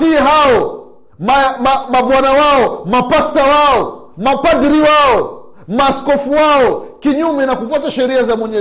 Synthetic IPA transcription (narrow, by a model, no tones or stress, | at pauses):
tiɛɦaɔ | mamamaɓwanawaɔmapastawaɔ | mapadiɾiwaɔ | maskɔfuwaɔkiɲumɛnakufuataʃɛɾiazamwɛɲɛ